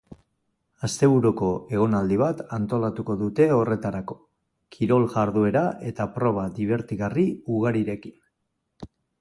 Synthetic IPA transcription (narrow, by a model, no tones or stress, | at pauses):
ast̪e̞βuɾuko̞e̞ɣ̞o̞nald̪iβ̞at̪ant̪o̞lat̪uko̞ðut̪e̞o̞re̞t̪aɾako̞̥ | kʰiɾo̞lʝaɾðue̞ɾaʔe̞t̪apɾo̞β̞aðiβ̞e̞ɾt̪iɣariuɣ̞aɾiɾe̞ki̥n